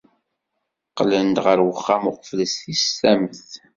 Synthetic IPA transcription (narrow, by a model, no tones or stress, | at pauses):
qlənt̪ʁəɾwəχːamʊqfləsθist̪æməθ